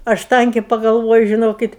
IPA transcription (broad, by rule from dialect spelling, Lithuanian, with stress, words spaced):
ˈɐʃ ˈtɐŋʲkʲeː pɐɡɐlˠˈʋoːjʊ ʒʲɪˈnoːkʲɪt